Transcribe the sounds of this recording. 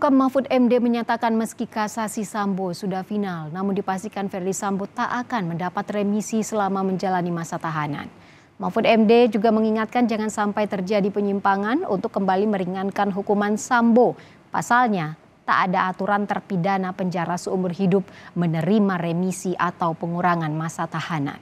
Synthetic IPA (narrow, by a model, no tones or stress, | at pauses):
ukamafut̪̚ɛmdeməɲat̪akanməskikasasisambosudahfinalnamʊndipast̪ikanfɛrdisambot̪aʔakanməndapat̪remisisəlamaməɲd͡ʒalanimasat̪aɦana̰n | mafut̪ɛmded͡ʒuɡaməŋiŋat̪̚kand͡ʒaŋansampajt̪ərd͡ʒadipəɲimpaŋanṵnt̪ʊkːəmbaliməɾiŋankanɦukumansambo | pa̰salɲa | t̪a̰ʔːdaːt̪uɾant̪ərpidanapəɲd͡ʒaɾasəumʊrɦidʊp̚mənəɾimaremisiʔat̪awpəŋuɾaŋanmasat̪ahana̰n